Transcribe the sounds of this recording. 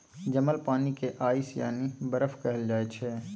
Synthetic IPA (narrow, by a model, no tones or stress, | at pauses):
d͡ʒɐməlpaːnikeʔaːisja̰ːnibɐɾəfʰkɐɦəld͡ʒaːet͡ʃʰɛː